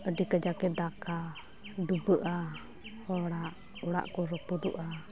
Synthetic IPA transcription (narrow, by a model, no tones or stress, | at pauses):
ədikəd͡ʒakɛd̪aka | dubəʔa | hoɽaʔ | uɽa̰ʔkuɾɔpud̪ṵʔa